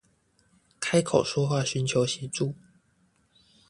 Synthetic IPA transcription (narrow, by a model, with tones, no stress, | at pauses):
kʰa˥ɪkʰo˨˩ʊʂwɔ˥xwa˥˩˨ɕy˨˦nt͡ɕʰjo˨˦ʊɕi˨˥˦ʈ͡ʂu˥˨